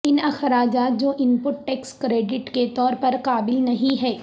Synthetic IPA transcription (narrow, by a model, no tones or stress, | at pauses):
ɪnɐxɾaːd͡ʒaːt̪̚d͡ʒoːʔɪmpʊʈʈɛːkskɾeːɖɪʈket̪ɔːɾpɐɾqaːbɪlnɐɦĩɦɛː